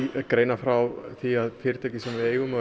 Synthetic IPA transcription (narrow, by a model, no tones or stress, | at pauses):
kɾeːjnafɾawθiaðfɪɾt̪ʰajcɪsɛmvɪeːjɣʏm